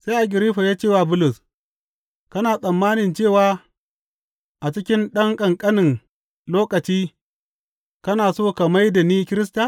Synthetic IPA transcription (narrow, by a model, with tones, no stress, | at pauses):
sa˦jʔa˨ɡʲɪ˨ɾi˦ɸa˨jaː˦t͡ʃeː˦˨wa˨bʊ˦lʊ˨s | kɐ˦naː˨sʼɐ˨mːaː˦nɪ˨nt͡ʃeː˦˨waː˨˦ | ʔa˨t͡ʃɪ˦kʲɪ˦nɗɐ˦ŋkʼɐ˨ŋkʼɐ˦nɪ˨ŋ | loː˦kɐ˨t͡ʃiː˦ | kɐ˦naː˨soː˦kɐ˨ma˦jda˨niː˦kʲɪ˦ɾɪ˦sta˨